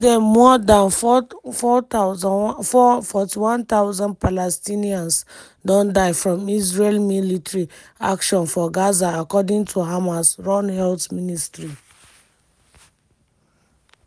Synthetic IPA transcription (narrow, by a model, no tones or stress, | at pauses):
dɛmɔdãnfɔ | fɔfɔtiwɔ̃nt̪aʊzãnd̚palɛstiniãns | dɔ̃ndaɪfɹɔ̃misɹelmilitɹi | a̰kʃɔ̃nfɔɡazaːkɔdĩŋtʰuɦamasɹɔ̃nhɛltministɹi